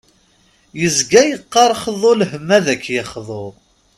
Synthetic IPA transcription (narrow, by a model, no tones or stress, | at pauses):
jəzɡæjəqːɑɾˤχðˤolhəmːæðækːjɪχðˤoɾˤ